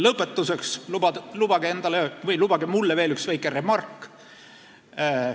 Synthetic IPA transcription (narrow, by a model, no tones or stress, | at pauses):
lɤpˑːet̪ːˑusekslubɑlub̥ɑɡee̞nd̪̥ɑlevɤjlub̥ɑɡ̥emulːeve̞ːlyksvæjkːˑere̞mɑrkːˑ